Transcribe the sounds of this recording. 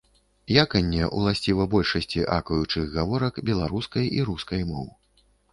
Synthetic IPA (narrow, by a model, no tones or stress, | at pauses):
jakɐnʲːɛʔṵlˠasʲt͡sʲivɐbɔlʲʂɐsʲt͡sʲiʔakɐjut͡ʂɨɣɣavɔɾɐkbʲɛlˠaɾuskɐjʔiɾuskɐjmɔ̰wɨ